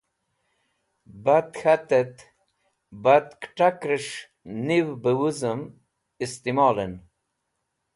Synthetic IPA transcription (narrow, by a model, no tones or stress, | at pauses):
bat̪hat̪et̪ | bat̪kʈakɾəʂ | niwbəwuzəm | ist̪imɑːlən